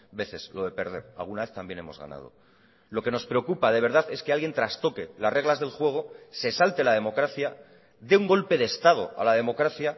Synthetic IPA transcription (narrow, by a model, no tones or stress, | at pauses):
be̞θe̞zlo̞ðe̞pe̞ɾð̞e̞̰ɾa̰lɣunaβe̞θt̪ambje̞nemo̞zɣa̰na̰ð̞o̞̰ | lo̞ke̞no̞spɾe̞okupað̞e̞β̞e̞ɾðaðe̞skealɣje̞nt̪ɾast̪o̞ke̞lasre̞ɣ̞lazðe̞lxwe̞ɣ̞o̞se̞salt̪elað̞e̞mo̞kɾaθja | ðe̞uŋɡo̞lpe̞ðest̪að̞o̞̰a̰laðe̞mokɾaθja